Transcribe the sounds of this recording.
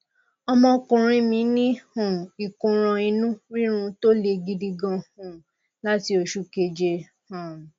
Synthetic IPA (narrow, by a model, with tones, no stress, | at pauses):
ɔ˧mɔ̃˧kũ˨ɾ̃ĩ˧˦mĩ˧˦nĩ˦hũ˨i˨kũ˨ɾ̃ɔ̃˧ĩ˧nũ˦ɾi˦ɾ̃ũ˧to˦le˧ɡi˧di˧ɡã˧hũ˨ | la˦ti˧o˨ʃu˧ke˧d͡ʒe˧ | hã˨